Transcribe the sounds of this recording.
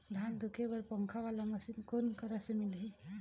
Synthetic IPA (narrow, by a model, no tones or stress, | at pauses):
d̪ʱand̪ʱɯkʰebʌɾpɔŋkʰawalaməsinkonkəɾasemili